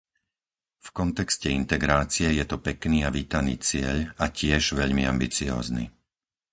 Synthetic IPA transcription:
fkɔnt̪ɛkscɛint̪ɛɡɾaːt͡sijɛjɛt̪ɔpɛkniːaʋiːt̪anḭːt͡sɪɛʎacɪɛʒʋɛʎmia̰mbit͡siɔ̰ːznḭ

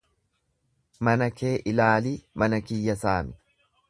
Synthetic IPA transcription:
mɐnɐkʰe̞ːʔɪlaːliːmɐnɐkɪjːɐsaːmɪ

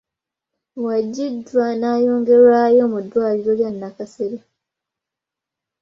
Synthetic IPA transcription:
waɟːidwanaːjoːŋɡe̞ɾwajo̞mudːwaːliɾo̞ljanːakaseɾe

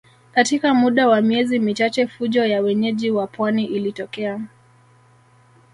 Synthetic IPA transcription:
katikamuɗawamiɛzimit͡ʃat͡ʃɛfuʄɔjawɛɲɛʄiwapwaniʔilitɔkɛa

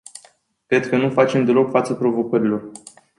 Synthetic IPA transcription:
kɾe̞d̪̚kənufat͡ʃe̞md̪e̞lo̞kfat̪səpɾo̞vo̞kəɾilo̞r

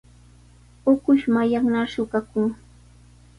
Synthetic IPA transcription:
ʊkʊʃmajaŋnaʃʊɢakʊŋ

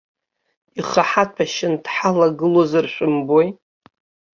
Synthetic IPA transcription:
iχaħatʷʰaʃɪndħalaɡɨlozarʃʷᶣʊmboj

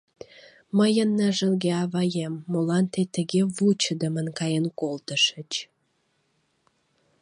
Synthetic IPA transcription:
məjənːəʒəlɣeɑβɑjemːolɑnt̪et̪əɣeβut͡ɕəd̪əmənkɑjenkolt̪əʃət͡ɕ

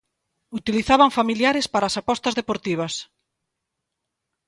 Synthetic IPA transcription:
ut̪iliθaβɐŋfamiljaɾespaɾaːsapɔst̪ɐzðepoɾt̪iβ̞ɐs

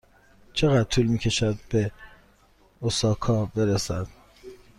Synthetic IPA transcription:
t͡ʃʰe̞ɣæd̪̚t̪ʰuːlmiːcʰe̞ʃæd̪̚be̞ | osɒːkʰɒːbe̞ɾesæ̰d̪̥

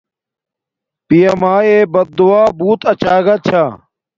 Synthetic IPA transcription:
pijɐmaːeːbɐt̪̚d̪uaːbuːt̪ɐt͡ɕaːɡɐt͡ɕʰaː

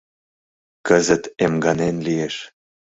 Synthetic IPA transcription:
kəzə̆t̪emɡɑnenlieʃ

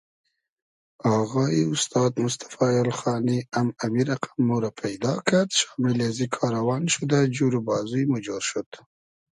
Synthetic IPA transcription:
aɣɑiʊst̪ɑːd̪mʊst̪ḁfɑjalxɑːniamamiɾaqḁmːoɾapʰajd̪ɑkad̪ʃɑmɪlazikʰɑːɾawɑnʃud̪ad͡ʒuɾubɑzujmʊd͡ʒoɾʃut̪

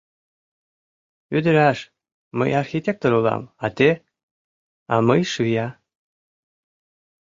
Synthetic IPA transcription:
yd̪əɾæʃ | mə̰jɑrxit̪ʲek̚t̪oɾulɑ̰mɑt̪e | ɑməjʃɯjɑ

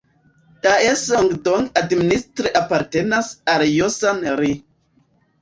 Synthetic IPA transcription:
taesoŋɡdoŋɡadministɾiʔapaɾtenasaljosanɾi

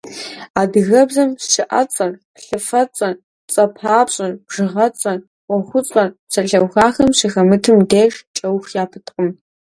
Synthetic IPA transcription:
adɣɐbzɐmʃɪʔɐ̰t͡sʼɐr | ɬɨfɐt͡sʼɐn | t͡sʼɐpʰaːpɕʼɐnb̥ʐ̥ɨʁɐt͡sʼɐn | wɔχʷʊt͡sʼɐnsɐɬɐwxaːxɐmɕixɐmɨtʰɨmdeʒt͡ʃʼɐwxjaːpʰɨtʰʼqʼəm

